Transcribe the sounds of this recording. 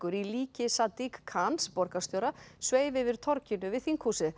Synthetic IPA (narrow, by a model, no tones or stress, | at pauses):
kʏɾiliːcɪsat̪ikʰːanspɔɾkḁst̪jowɾasveːjvɪvɪɾ̥t̪ʰɔɾcɪnʏvɪðθiŋkʰuːsɪ